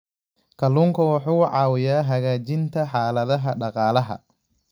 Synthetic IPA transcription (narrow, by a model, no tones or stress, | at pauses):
kʰɐluːŋkʰɐwɑħuːʕɑːwɪjaːɦɐɣaːt͡ʃɪnt̪ʰɐħɑːlɐðɐɦɐɖɑqɑːlɐɦɐ̰